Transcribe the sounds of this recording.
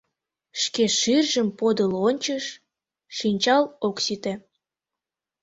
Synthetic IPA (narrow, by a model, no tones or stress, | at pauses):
ʃkeʃyrʒəmpod̪əlonʲt͡ɕəʃː | inʲt͡ɕɑloksit̪e